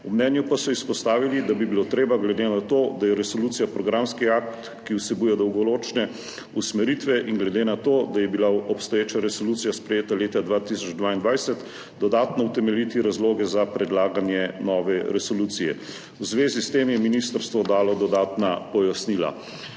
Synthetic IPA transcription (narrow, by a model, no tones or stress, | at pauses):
umnɛnjupasɔispɔst̪aːʋilid̪abibilot̪ɾeːbaɡlɛd̪enat̪oːd̪ajɛɾɛsɔluːt̪sijapɾɔɡɾamskiakt̪ | kiwsɛbujɛd̪ɔwɡɔɾoːt͡ʃnɛ | usmɛɾit̪ʋɛʔiŋɡlɛd̪eːnat̪od̪ajɛbilaɔpst̪ɔjeːt͡ʃaɾɛsoluːt̪sijaspɾɛjeːt̪aleːt̪ad̪ʋat̪isɔd͡ʒd̪ʋaːind̪ʋajsɛt̪ | d̪ɔd̪aːt̪nɔwt̪ɛmɛljit̪iɾazloːɡɛzapɾɛd̪laːɡanjɛnɔːʋɛɾɛsɔluːt̪sijɛ̰ | uzʋeːzist̪emjɛminist̪əɾst̪ʋɔd̪aːlɔd̪ɔd̪aːt̪napɔjasniːla̰